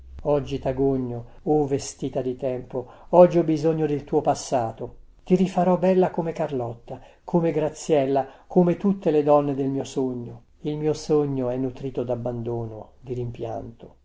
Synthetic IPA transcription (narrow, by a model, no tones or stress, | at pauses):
ɔd͡ʒːit̪aɡoɲːo | ovest̪iːt̪ad̪it̪ɛmpo | ɔd͡ʒːiɔbizoɲːod̪elt̪uːopasːaːt̪o | t̪iɾifaɾɔbːɛlːakomekarlɔt̪ːa | kʰomeɡɾat̪sːjɛlːakʰomet̪ut̪ːeled̪ɔnːed̪elmiːosoɲːo | ilmiːosoɲːoɛnːut̪ɾiːt̪od̪abːand̪oːnod̪iɾimpja̰nt̪o